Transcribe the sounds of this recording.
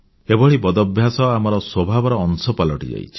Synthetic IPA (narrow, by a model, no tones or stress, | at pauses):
ebɔɭibɔd̪ɔbʱjasɔamɔɾɔswɔbʱabɔɾɔːŋsɔpalɔʈḭd͡ʒa̰jt͡ʃʰi̥